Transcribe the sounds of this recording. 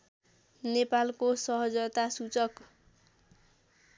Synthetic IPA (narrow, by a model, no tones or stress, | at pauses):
nepalkosʌɦʌd͡zʌt̪asut͡sʌk